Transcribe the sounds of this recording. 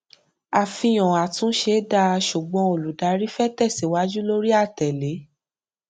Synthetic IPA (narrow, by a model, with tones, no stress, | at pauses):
a˨fĩ˧j̃ɔ̃˨a˨tũ˨˦ʃe˧˦da˧ʃu˨ɡ͡bɔ̃˧o˨lu˨da˨˧˦ɾi˦fɛ˦˨tɛ˦˨si˨wa˨˦d͡ʒu˦lo˦ɾi˦a˦˨tɛ˨le˨˦